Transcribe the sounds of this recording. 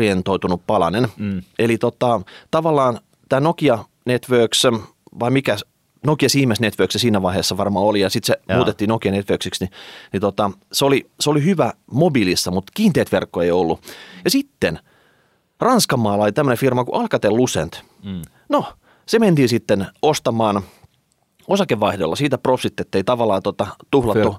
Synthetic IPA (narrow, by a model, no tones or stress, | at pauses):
ient̪oit̪unuppɑlɑ̰nenelit̪ot̪ɑt̪ɑʋɑlːɑːn | t̪æːnokiɑ | net̪ʋøːˑks | ʋɑimikæ | nokiɑsiːmæsnet̪ʋøːksesiːnæʋɑiheːsːɑʋɑrmɑːolijɑsit̪semmuːt̪et̪ːiːnokiɑnet̪ʋøːksiksninit̪ot̪ɑseoliseolihyʋæmobilisːɑmut̪kiːnt̪eːt̪ʋerkːoeiolːujɑsit̪ːen | rɑnskɑmːɑːlɑlit̪æmːønefirmɑkuʔɑlkɑt̪ellusḛnt̪ | no | sement̪iːnsit̪ːenost̪ɑmɑːn | osɑkeʋʋɑihdolːɑsiːt̪æprofsit̪ːet̪ːeit̪ɑʋɑlːˑɑːt̪ot̪ɑt̪uhlɑt̪ːu